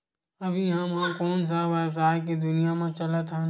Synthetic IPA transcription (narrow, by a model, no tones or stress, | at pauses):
ɐbʱijɦãmãkɔːnsaʋɛːbsaːk̬id̪ʊnijamẽt͡ʃɐlət̪ɦɛ̃